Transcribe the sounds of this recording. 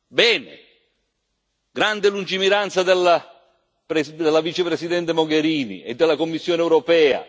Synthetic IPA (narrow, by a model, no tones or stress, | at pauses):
bɛːnɪ̰ | ɡɾand̪elund͡ʒimiɾant̪sad̪elːa | pɾed̪elːavit͡ʃepɾesid̪ɛnt̪emoɡeɾiːnḭḛd̪ːɪlːakomːisːjoːneɛwɾɔpɛːa̰